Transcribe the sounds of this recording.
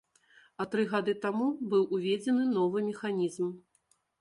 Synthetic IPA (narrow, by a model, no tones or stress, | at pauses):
ɐt̪ɾɨɣad̪ɨt̪amubɨwʔuvʲed͡zʲɛnɨnɔvɨmʲɛxanʲizm